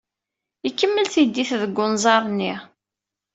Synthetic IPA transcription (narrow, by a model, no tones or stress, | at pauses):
ikːəmːəlθid̪ːiθðəɡʷːʊnzˤɑɾˤnːiʁ